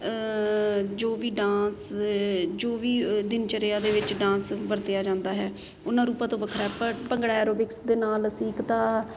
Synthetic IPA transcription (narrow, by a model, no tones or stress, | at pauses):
d͡ʒoːʋiːɖãːs | d͡ʒoːʋiːd̪ɪnt͡ʃəɾeːaːd̪eːʋɪt͡ʃɖãːsʋəɾt̪ejaːd͡ʒãːnd̪aːɦɛː | ʊnãːɾuːpãːt̪õːʋəkʰɾaːɦɛːpəɾpəŋɡɽaːɛːɾoːbɪksd̪eːnaːlsiːkt̪aː